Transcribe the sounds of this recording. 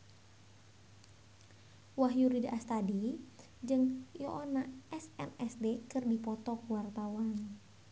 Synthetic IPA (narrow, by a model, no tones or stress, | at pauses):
waɦjuɾidaʔast̪adi | d͡ʒɨŋjɔʔːnaʔɛsɛnɛsdekɨrdipɔt̪ɔkuwart̪awan